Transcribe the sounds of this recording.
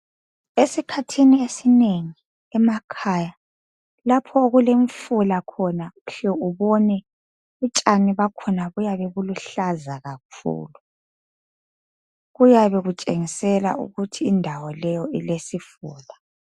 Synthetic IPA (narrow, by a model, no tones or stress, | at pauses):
esikʰatʰiniesineŋi | ɛmakʰaːja | lapʰɔoɣuleɱfulakʰɔnauɬɛuβɔnɛ | ut͡ʃʼaniβakʰɔnaβujaβɛɣuluɬazaɣak̚ʰṵːlu | ɣujaβɛɣut͡ʃʼeŋisɛla̰ʔṵɣutʰiːndʱawɔlɛjɔilesifuːla